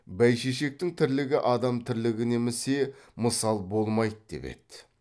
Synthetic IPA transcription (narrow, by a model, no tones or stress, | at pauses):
bæjʃeʃe̞k̚t̪ɪŋt̪ʰɪɾlɪɡʲɪʔɑd̪ɑmt̪ʰɪɾlɪɡʲɪne̞mɪse̞məsɑlˠbo̞lˠmɑjd̪d̪e̞̰pḛt̪ːɪ